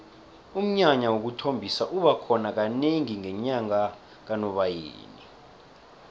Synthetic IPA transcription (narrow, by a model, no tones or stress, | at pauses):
um̩ɲaɲawok̬utʰombʱisaʔuɓakʰɔnak̬aneŋiŋɛɲaŋa | k̬anɔɓajḛːni